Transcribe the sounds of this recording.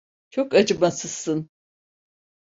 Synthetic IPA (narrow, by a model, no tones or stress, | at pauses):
t͡ʃʰokad͡ʒɯmasɯz̥sɯn